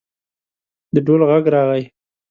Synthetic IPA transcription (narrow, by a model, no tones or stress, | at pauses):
d̪əɖolɣaɡɾɑɣaj